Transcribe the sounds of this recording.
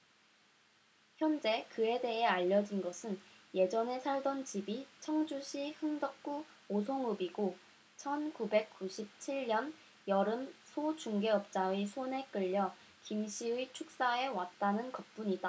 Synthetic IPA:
çjʌnd͡ʑe̞kɯe̞de̞ɦe̞aʎːʌd͡ʑinɡʌsʰɯnje̞d͡ʑʌne̞sʰaɭdʌnt͡ɕibit͡ɕʰʌŋd͡ʑuɕʰihɯŋdʌk̚k͈u | osʰoŋɯbiɡo | t͡ɕʰʌnkube̞k̚k͈uɕʰip̚t͡ɕʰiɭɲʌn | jʌɾɯmsʰot͡ɕuŋɡe̞ʌp̚t͡ɕ͈aesʰone̞k͈ɯʎːʌ | kimɕʰiɯit͡ɕʰuk̚s͈ae̞wat̚t͈anɯnkʌp̚p͈uɲida

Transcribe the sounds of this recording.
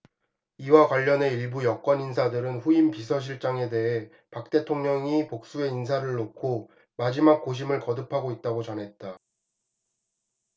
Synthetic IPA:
iwakwaʎːʌne̞iɭbujʌk͈wʌninsʰadɯɾɯnɸuimpisʰʌɕ̬ʰiɭt͡ɕ͈aŋe̞de̞ɦe̞ | pak̚t͈e̞tʰoŋɲʌŋipok̚s͈ue̞insʰaɾɯɭːokʰo | mad͡ʑimak̚k͈oɕ̬ʰimɯɭkʌdɯpʰaɡoit̚t͈aɡot͡ɕʌnɦe̞t̚t͈a

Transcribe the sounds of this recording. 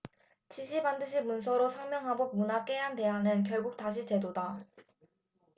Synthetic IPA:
t͡ɕiɕʰibandɯɕʰimuns̬ʰʌɾosʰaŋmjʌŋɦabomunak͈e̞ɦante̞anɯnk̬jʌɭɡuk̚taɕʰit͡ɕe̞doda

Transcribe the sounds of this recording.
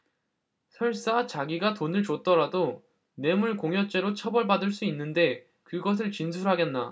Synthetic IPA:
sʰʌɭs͈at͡ɕaɡiɡatonɯɭt͡ɕot͈ʌɾado | ne̞muɭkoŋjʌt͡ɕ͈e̞ɾot͡ɕʰʌbʌɭbadɯɭs͈uinːɯnde̞ | kɯɡʌs̬ʰɯɭt͡ɕins̬ʰuɾɦaɡenːa̰

